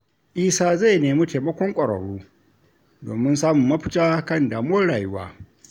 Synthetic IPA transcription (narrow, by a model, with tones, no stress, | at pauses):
ʔiː˦saː˦za˦˨jneː˨miː˦teː˨mɐ˦kʷɔ˦ŋkʷʼɐ˨ɽɐ̰˨ɽuː˦ | doː˨mɪ˦nsaː˦mʊ˨mːɐ˦ɸɪ̥˦taː˦kɐ˦˨ndaː˨m˦wɔ˦ɽaː˨jʊ˦wa̰ː˦